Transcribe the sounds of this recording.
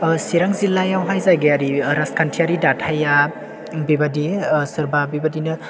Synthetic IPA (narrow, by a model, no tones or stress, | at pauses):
siɾaŋzilːajawɦajzajɡeaɾiɾaskʰantʰiaɾidatʰaja | bibadisɯɾbabibadinɯ